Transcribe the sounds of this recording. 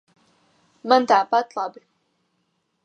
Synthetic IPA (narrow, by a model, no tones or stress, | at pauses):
mand̪aːpat̪lab